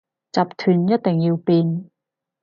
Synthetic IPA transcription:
t͡sɐ˨p̚t̪ʰyː˨˩njɐ˥t̚t̪e˨ŋjiː˧wpiː˧n

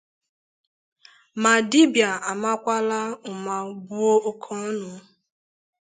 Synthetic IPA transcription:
ma˨di˦bja˨a˨ma˦kʷa˦la˦ʊ˨ma˨bu˦o˦o˦kʰɔ˦nʊ˨˦

